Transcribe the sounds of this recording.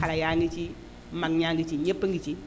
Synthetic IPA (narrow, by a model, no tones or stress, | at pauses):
aɾajaŋɡit͡ʃi | maŋɲaŋɡit͡ʃiɲepːəŋɡit͡ʃi